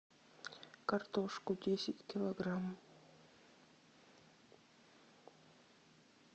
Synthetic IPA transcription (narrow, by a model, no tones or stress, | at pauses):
kɐrt̪oʂkʊdʲesʲɪtʲkʲɪlˠoɡram